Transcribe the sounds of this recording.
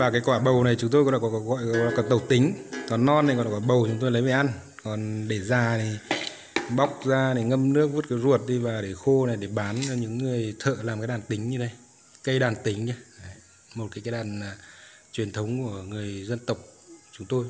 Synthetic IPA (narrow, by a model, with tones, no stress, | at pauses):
vaː˨˩kaː˨˦jkwaː˧˩ɓə˨˩wna˨˩jt͡ɕʊ˨˦ŋ͡mt̪o˧jknɗ̰a̰˧kɔ˨˦kɔ˨˦ɣɔ̰˧˨jkɔ˨˩nt̪ə˨˩wk͡p̚t̪ï˨˦ŋ̟kɔ˨˦nːɔ˧na˨˩knɗa˧˩kɔ˨˦ɓə˨˩wt͡ɕʊ˨˦ŋ͡mt̪o˧jlə˨˦jva˧˩ʔa˧n | kɔ˨˩nɗe˧˩zaː˨˩ni˨˩ | ɓa˦˥wk͡p̚zaː˧ni˨˩ŋə˧mnɨ˦˥ək̚vu˦˥t̚kaː˨˦jzu˨˩ət̚ɗi˧vaː˨˩ɗe˧˩xo˧na˨˩jɗe˧˩ɓaː˨˦n˧ɲɨ̰˧˥ŋːɨ˨˩əjt̪ʰə̰ː˧˨laː˨˩mkːjɗaː˨˩nt̪i˨˦ŋ̟ɲɨ˧ɗə˨˦j | kə˧jɗaː˨˩nt̪ï˨˦ŋɲə˧a˨˦ | mo˨˩t̚kaː˨˦kːjɗaː˨˩nː˨˩ | t͡ɕwi˨˩ənt̪ʰə˨˦wŋ͡mku˧˩əŋɨ˨˩əjzə˧nt̪ə˨˩wk͡p̚ | t͡ɕʊ˨˦ŋ͡mt̪o˧j